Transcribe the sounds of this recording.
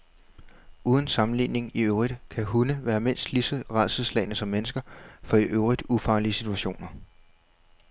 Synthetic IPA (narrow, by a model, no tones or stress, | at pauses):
uːð̞ˠn̩sɑ̈mn̩lḭne̝ŋiøʊʁid̥kʰæɦunəʋæːɐme̝n̰sd̥lisəʁɑð̰ˠsəð̩ˠslɛ̰ɪnəsɒ̽mːenəsɡ̥ɐfɒ̽iʔøʊʁid̥ufɑ̈ːliəsit͡sʰuæɕo̝̰ːnɐ